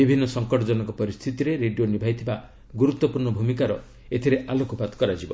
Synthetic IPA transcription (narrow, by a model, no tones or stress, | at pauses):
ibʱinːɔsɔŋkɔʈɔd͡ʒɔnɔkɔpɔɾist̪ʰit̪iɾeɾeɖijonibʱajt̪ʰiba | ɡuɾut̪ːwɔpuɾɳɔbʱumikaɾɔ | et̪ʰiɾeʔalokɔpat̪kɔɾad͡ʒibɔ̰